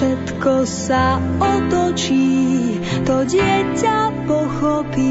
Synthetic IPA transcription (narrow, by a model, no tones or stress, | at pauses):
ɛt̪kɔsaɔt̪ɔt͡ʃiː | t̪ɔɟɪɛcapɔxɔpi